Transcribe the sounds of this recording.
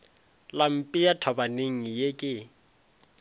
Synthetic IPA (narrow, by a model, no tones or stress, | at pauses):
lam̩pʼijatʰabaneŋ̩jekʼɪ